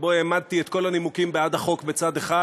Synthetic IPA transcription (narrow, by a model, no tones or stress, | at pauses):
bo̞eːmad̪̚t̪iet̪ko̞lanimukimbead̪haχo̞kbet͡sad̪eχa